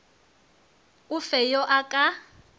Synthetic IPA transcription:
ufɛjɔʔakʼa

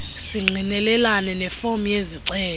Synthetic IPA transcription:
siŋ͡ǀʱinɛlɛlanɛnɛfomjeziǀɛː

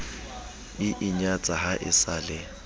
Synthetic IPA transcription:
ɪʔɪɲat͡sʼahaʔɪ̰saːlɪ

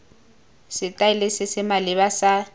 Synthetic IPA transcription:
sɪtʼaɪlɪsɪsɪmalɪβasa

